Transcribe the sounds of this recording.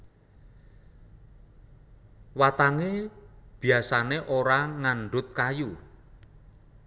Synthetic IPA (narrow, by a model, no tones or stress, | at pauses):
wat̪aŋeb̥i̤asaneʔoɾaŋaɳɖʊt̪̚kaju